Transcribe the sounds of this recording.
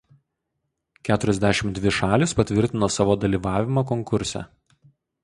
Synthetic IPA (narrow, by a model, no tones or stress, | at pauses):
kʲæːt̪ʊɾʲɛzʲd̪ʲæʃʲɪmd̪ʲʋʲɪʃɑːlʲɪspɐt̪ʲʋʲɪɾʲt̪ʲɪnoːsɑːʋoːd̪ɐlʲiːʋɑːʋʲɪmokɔŋkʊɾʲsʲɛ̰